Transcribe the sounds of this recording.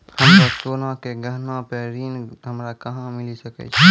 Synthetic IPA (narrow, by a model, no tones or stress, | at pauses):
həmsəsoːnãkeɡəɦnãpeɾiːnɦəmɾakəɦãmɪlisəkɛ̰t͡ʃʰɛ